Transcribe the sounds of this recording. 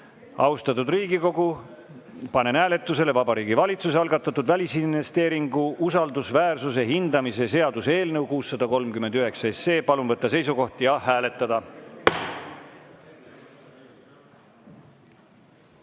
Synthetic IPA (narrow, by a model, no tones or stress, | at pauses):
ɑust̪ɑt̪ːˑud̪riːɡ̥iko̞ɡ̥u | pɑne̞næːle̞t̪ːˑuse̞le̞vɑbɑɾiːɡivɑlʲit̪suseɑlɡɑt̪ːˑɑt̪ːˑud̪vælʲisinvest̪e̞ːɾiŋɡuʔusɑld̪usvæːrsus̬eɦind̪ɑmise̞se̞ɑd̪useeːlnɤwkuːsːɑd̪̥ɑko̞lmkymend̪yɦe̞ksɑesːe̞ːpɑlunvɤt̪ːɑse̞jsuko̞ht̪ijɑɦæːle̞t̪ːˑɑd̪ɑ